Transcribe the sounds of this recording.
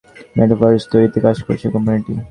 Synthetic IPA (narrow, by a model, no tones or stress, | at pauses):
mɛʈafɔɾest̪oɾit̪ekad͡ʑko̰ɾt͡ɕʰekɔmjuniʈḭ